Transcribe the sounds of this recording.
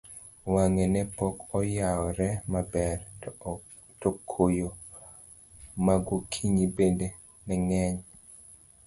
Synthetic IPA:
waŋenɛpɔkɔjaɔɾɛmabɛr | tokʰojo | maɡokʰiŋibende | nɛŋɛɲ

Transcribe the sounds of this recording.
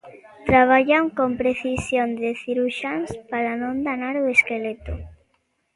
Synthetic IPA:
t̪ɾaβ̞aʎamkompɾeθisjond̪eθiɾuʃanspaɾanõnd̪anaɾoeskelet̪ʊ

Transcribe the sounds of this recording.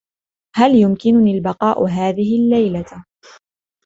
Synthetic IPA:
haljʊmkɪnʊniːlbɑqɑːʔʊ̰ɦaːðɪɦɪlːajla

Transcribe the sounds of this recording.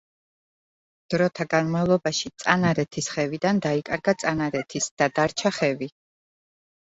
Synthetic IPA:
d̪̥ɾɔt̪ʰaɡanmalˠɔbaʃit̪sʼanaɾɛt̪ʰisχɛvid̪and̪aikʼaɾɡat̪sʼanaɾɛt̪ʰisd̪̥ad̪aɾt͡ʃʰaχɛvi

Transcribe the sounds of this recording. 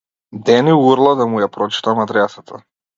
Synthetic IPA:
d̪ɛniuɾlˠad̪amujapɾɔt͡ʃi̥t̪amad̪ɾɛsat̪ʰa

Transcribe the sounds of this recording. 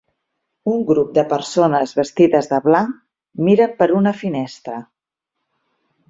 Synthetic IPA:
uŋɡɾup̚d̪əpəɾsonəzβəst̪iðəzðəβla | miɾəmpəɾunəfinɛst̪ɾə

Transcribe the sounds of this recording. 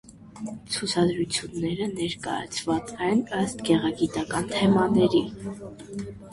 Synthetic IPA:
t͡sʰut͡sʰɑd̪ɾut͡sʰjunːɛɾənɛɾkɑ̰jɑ̰t͡sʰvɑt͡sɛnəst̪ɡɛʁɑɡit̪ɑkɑnt̪ʰɛmɑnɛɾi

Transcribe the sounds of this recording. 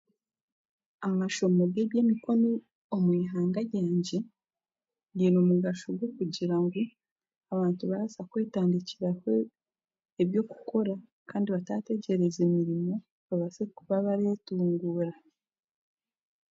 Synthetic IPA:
amaʃo̞moɡe̞βje̞ːmiko̞noː | mwiːɦaːŋɡajaːɲɟe̞ | dinomuɡaʃoɡwokuɟiɾaŋɡu | aβaːntuβaɾasakwe̞ːtaːndiciɾaho̞ | eβjo̞ːku̥kʰo̞ɾa | kaːndiβatate̞ɟe̞ɾe̞zemiɾimo̞ | βaβazekuβaβaɾe̞ːtuːŋɡuːɾa

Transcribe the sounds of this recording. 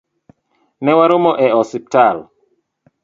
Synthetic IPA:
nɛwaɾomɔʔɛɔsip̚tal

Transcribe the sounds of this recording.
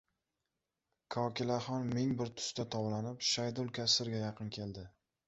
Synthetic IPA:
kʰɒkʲɪlaχɒnmɪŋbɪɾt̪ʰʊ̥st̪at̪ʰɒwlanɪpʃajd̪ʊlˠkʲʰasɪɾɡʲajɑqʰɨnkʲʰe̞lˠd̪ɪ

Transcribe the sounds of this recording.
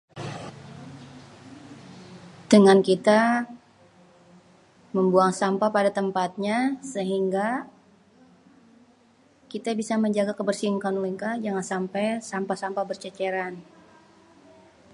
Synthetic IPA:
d̥əŋankit̪a | məmbuaŋsampapadat̪əmpat̪̚ɲasəɦiŋɡa | kit̪abisaməɲd͡ʒaɡakəbərsiŋkanuliŋkad͡ʒaŋansampajsampasampabərt͡ʃət͡ʃɛɾan

